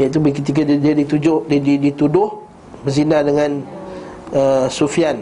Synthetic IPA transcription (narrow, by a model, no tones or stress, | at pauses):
jait̪̬ubəkət̪ik̬addiadit̪ud͡ʒʊhdididit̪udʊh | bəzinadəŋãn | əsufian